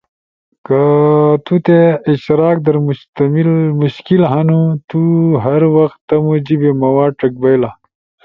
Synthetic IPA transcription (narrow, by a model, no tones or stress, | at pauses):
kɐt̪ut̪eiɕt̪iɾaːk̚d̪ɐɾmt̪mimuɕkilɦɐnut̪uɦɐɾwɐxt̪ːɐmud͡ʑibemɐwaːʈɐk̚bɐjla